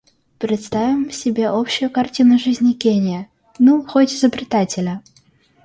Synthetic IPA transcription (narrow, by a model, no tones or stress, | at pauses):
pɾʲɪt̪st̪avʲɪmsʲɪbʲe̞ʔopɕːʊjʊkɐrtʲinʊʐɨzʲnʲɪkʲenʲɪjə | nuxotʲɪzəbɾʲɪt̪atʲɪlʲə